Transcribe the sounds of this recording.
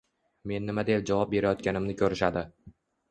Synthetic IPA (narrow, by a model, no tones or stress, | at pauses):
me̞nːɪmad̪ep̚d͡ʒavɒp̚be̞ɾajɒt̪̚kʲanɪmnɪkʲʰɵɾɪʃad̪ɪ